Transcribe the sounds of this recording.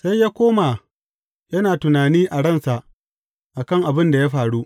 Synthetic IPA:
sa˦jjaː˦kʷoː˦maː˨ | jɐ˦naː˨tʊ˨naː˨niː˦ʔa˨ɽɐ˦nsa˨ʔ | ʔa˨kɐ˦˨ŋʔa˨bɪ˦nda˨ja˦ɸaː˨ɽu˦ʔ

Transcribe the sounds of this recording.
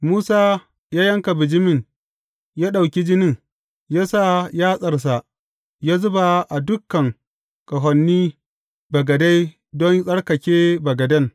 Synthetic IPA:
muː˦saː˦ | jaː˦jɐ˦ŋka˨bɪ˨d͡ʒɪ˦mɪ˨ŋ | jaː˦ɗa˨wkʲi˦d͡ʒɪ˦nɪ˦ŋ | jaː˦sa˦˨jaː˦sʼɐ˨rs̬a˨ʔ | jaː˦zʊ˦ba˨ʔa˨dʊ˦kːɐ˨ŋ | kʼɐ˨ɦʷɔ˨nːiː˦ | bɐ˨ɡɐ˨da˦j | dɔ˦nsʼɐ˦ɽkɐ˨kʲeː˦bɐ˨ɡɐ˨dɐ˦ŋ

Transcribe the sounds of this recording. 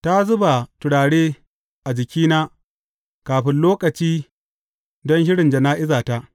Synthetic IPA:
ta˦zʊ˦ba˨tʊ˨ɽaː˨ɽeː˦ | ʔa˨d͡ʒɪ˨kʲiː˦naː˦ | kaː˨ɸɪ˦nloː˦kɐ˨t͡ʃiː˦ | dɔ˦nʃɪ˦ɽɪ˨nd͡ʒɐ˨naː˦ʔɪ˦zaː˨ta˦ʔ

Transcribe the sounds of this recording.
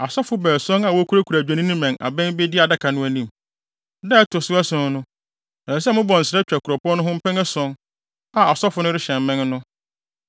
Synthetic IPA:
a˨sɔ˦fʊ˨˦bɛː˨sɔ̃˦ŋa˨wɔ˦kʰu˦ɾa˦kʰu˨ɾæ˨d͡ʑᶣã˨nĩ˦nʊ̃˦mɛ̃˨ŋa̰˨bɛ̃˦nbe˦dɪ˦a˨da˦kʰa˨nʊ̃˦æ˦nĩ˦m˨ | dɛ˦tʊ˨sʊ˦æ˦sʊ̃˨˦n˦nʊ̃˦ | a˨ɛ˨s̬ɛ˦mʊ̃˦bɔ̃˨n̩˨sɪɾɛ˦t͡ɕᶣa˨kʰʊ˨ɾɔ˨pʊ˦ɔ˦nʊ̃˦ɦʊ̃˦m̩˦pʰɛ̃˦ŋɛ˦sɔ̃˦ŋ | a˨a˨sɔ˦fʊ˦nʊ̃˦ɾɪ˦ɕɛ̃˨m˨mɛ̃˦nnʊ̃˦

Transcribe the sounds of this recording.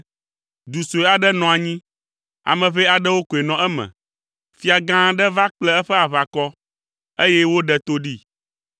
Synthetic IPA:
d̪u˨so˨e˨a˨ɖɛ˦nɔ̃˨a˨ɲĩ˦ | a̰˨mɛ̃˨βɛ˦a˨ɖɛ˦wo˦ko˨e˨nɔ̃˨ɛ˦mɛ̰̃˨ | fi˦a˨ɡã˦ɖɛ˦va˦k͡plɛ˦ɛ˦ɸɛ˦a˨βa˨kɔ˦ | e˦jɛ˦wo˦ɖɛ˦t̪o˦ɖi˦

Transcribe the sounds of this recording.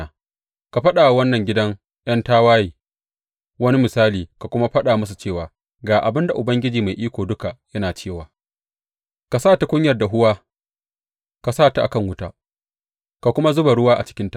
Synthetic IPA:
ka˨ɸɐ˦ɗaː˨wwɐ˦nːɐ˨ŋɡʲɪ˦dɐ˦ŋ | j̰ɐ˦ntaː˦waː˦jiː˨ | wɐ˦ni˦mɪ˨saː˦liː˨ka˨kʷʊ˦ma˦ɸɐ˦ɗaː˨mʊ˦s̬u˨t͡ʃeː˦˨waː˨ | ɡaː˨ʔa˨bɪ˦nda˨ʔʊ˨bɐ˦ŋɡʲɪ˦d͡ʒiː˨ma˨jʔiː˦kʷoː˨dʊ˦ka˨jɐ˦naː˨t͡ʃeː˦˨waː˨ | ka˨saː˦˨ta˨kʷʊ˦ɲjɐ˨rda˨ɦʊ˦waː˦ | ka˨saː˦˨ta˨ʔa˨kɐ˦˨ŋwʊ˦taː˦ | ka˨kʷʊ˦ma˦zʊ˦ba˨ɽʊ˦waː˦ʔa̰˨t͡ʃɪ̥˦kʲɪ˦nta˨

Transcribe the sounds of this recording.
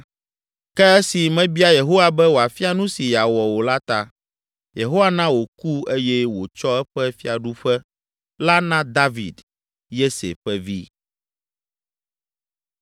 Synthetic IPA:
kɛ˦ɛ˦si˨mɛ̃˦bi˦a˦je˨ɦo˦wa˨bɛ˦wo˨a˨fi˦a˨nũ˦si˨ja˨wɔ˨wo˨la˦t̪a˦˨ | je˨ɦo˦wa˨nã˦wo˨ku˦e˦jɛ˦wo˨t͡ʃɔ˦ɛ˦ɸɛ˦fi˦a˨ɖu˦ɸɛ˦ | la˦nã˦d̪a˦vḭ˨d̪ | je˦sḛ˨ɸɛ˦vḭ˦

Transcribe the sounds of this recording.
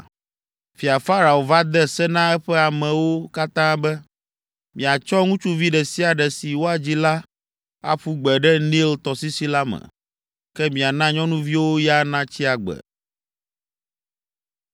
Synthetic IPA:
fi˨a˨fa˦ɾa˨o˨va˦d̪ɛ˦sɛ˦nã˦ɛ˦ɸɛ˦a˨mɛ̃˨wo˦ka˦t̪ã˦bɛ˦ | mĩ˨a˨t͡ʃɔ˦ŋũ˦t͡ʃu˦vi˦ɖɛ˨si˦a˨ɖɛ˨si˨wo˦a˨d͡ʑi˦la˦ | a̰˦ɸu˦ɡ͡bɛ˨ɖɛ˦nĩ˦lt̪ɔ˨si˦si˦la˦mɛ̰̃˨ | kɛ˦mĩ˨a˨nã˦ɲɔ̃˦nũ˦vi˦wo˦ja˦nã˦t͡ɕi˦a˨ɡ͡bɛ̰˨

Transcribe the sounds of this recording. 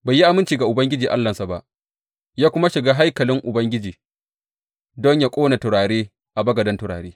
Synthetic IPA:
baː˨jːi˦ʔa˨mɪ˦nt͡ʃiː˨ɡa˨ʔʊ˨bɐ˦ŋɡʲɪ˦d͡ʒiː˨ʔa̰˦lːɐ˨nsa˨ba˦ʔ | jaː˦kʷʊ˦ma˦ʃɪ˨ɡaː˦ɦa˦jkɐ˨lɪ˦ŋʔʊ˨bɐ˦ŋɡʲɪ˦d͡ʒiː˨ | dɔ˦ɲja˦kʷʼoː˦na˨tʊ˨ɽaː˨ɽeː˦ | ʔa˨bɐ˦ɡɐ˨dɐ˦ntʊ˨ɽa̰ː˨ɽeː˦

